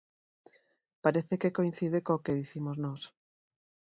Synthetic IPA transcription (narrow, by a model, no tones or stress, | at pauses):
paɾeθekekoĩn̟θiðekoːkeðiθimoznɔs